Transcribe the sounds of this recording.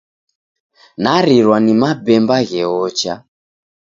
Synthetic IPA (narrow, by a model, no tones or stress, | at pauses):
naɾiɾwanimabɛmbaɣɛɔt͡ʃa̰